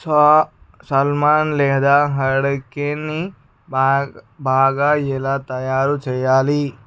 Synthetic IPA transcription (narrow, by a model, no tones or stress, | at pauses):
sa | sɐlmaːnleɦd̪aɦɐɽkeni | bʱaːɡajelat̪ɐjaːɾut͡ʃɐjaːli